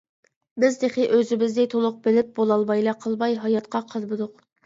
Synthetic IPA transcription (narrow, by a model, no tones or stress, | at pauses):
bɪzd̪eχɪʔøzɪbɪzd̪ɛt̪ʰolˠʊq̚bɪlɪp̚bolˠɑlˠbɑjlˠɑqʰəlˠbɑjɦɑjɑt̪̚qɑqʰɑlˠbɨd̪ʊq